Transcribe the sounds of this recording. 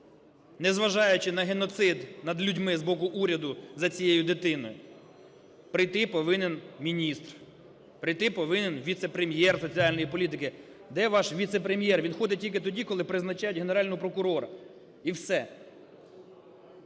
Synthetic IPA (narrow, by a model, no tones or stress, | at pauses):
nɛzʋɐʒɑjʊt͡ʃɪnɐɦenɔt̪sɪd̪nɐd̪lʲudʲmɪzbɔkʊʔuɾʲɐd̪ʊzɐt͡sʲijejʊd̪ɪt̪ɪnɔ̰jʊ | pɾɪjt̪ɪpɔʋɪnenmʲinʲist̪r | pɾɪjt̪ɪpɔʋɪnenʋʲit̪sɛpɾemʲjɛrsɔt͡sʲiɑlʲnɔjipɔlʲit̪ɪkɪ | d̪ɛʋɑʃʋʲit̪sɛpɾemʲjɛrʋʲinxɔd̪ɪtʲilʲkɪt̪ɔdʲikɔlˠɪpɾɪznɐt͡ʃɑjʊtʲɦeneɾɑlʲnɔɦɔpɾɔkʊɾɔɾɐ̰ | iwsɛ